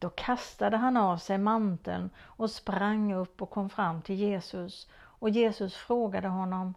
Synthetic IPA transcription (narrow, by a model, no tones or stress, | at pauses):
d̪̥ɔkʰast̪ad̪əɦanavsɛjmant̪ə̰lnɔspɾaŋːɵpːɔkʰːɔmːfɾamːt̪ʰɪljeːsɵs | ɔjeːsɵsfɾoːɡad̪əɦɔnːɔm